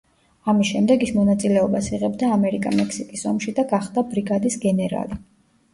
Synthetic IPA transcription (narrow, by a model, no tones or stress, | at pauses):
amisʃɛmd̪ɛɡismɔnat̪sʼilɛɔbasiʁɛbd̪aːmɛɾikʼa̰mɛkʰsikʼisɔmʃid̪aɡaχd̪abɾiɡad̪isɡɛnɛɾa̰li